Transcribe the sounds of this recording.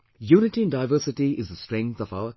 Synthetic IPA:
juːnɪʈiɨ̃ndaɪvəsɪʈiɪzðəstɹɛ̃ŋθɔva̰ʊə

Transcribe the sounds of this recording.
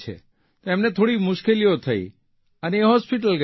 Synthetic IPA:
t͡ʃʰḛ | t̪oemnet̪ʰoɽimʊʃkeliot̪ʰəḭ | əneːɦɔspiʈ̬əlɡ

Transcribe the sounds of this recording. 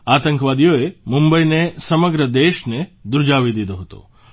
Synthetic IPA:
at̪əŋkʋad̪ijoemumbəinesəməɡɾəd̪eʃned̪uɾd͡ʒaʋid̪id̪oɦət̪o̰

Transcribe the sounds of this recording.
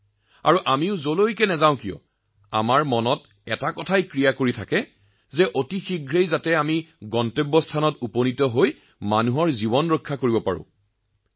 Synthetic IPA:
a̰ɹuʔamiʊzolojkɛnɛzaʊ̃kiɔ̰ | a̰maɹmɔnɔt̚ | ɛtakɔtʰajkɹijakoɹitʰakɛ | zɛʔotixiɡʱɹejzatɛamiɡɔntebːɔstʰanɔtuponitɔɦoj | manuɦɔɹzibɔnɹokʰːakoɹibɔpa̰ɹʊ̰̃

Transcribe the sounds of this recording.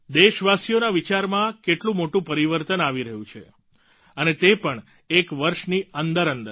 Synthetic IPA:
d̪eʃʋasijonaʋit͡ʃaɾmãkeʈlũmoʈũpəɾiʋəɾt̪ənaʋiɾəɦũt͡ʃʰḛ | ənet̪epəɳ | ekʋəɾʃniənd̪əɾənd̪əɾ

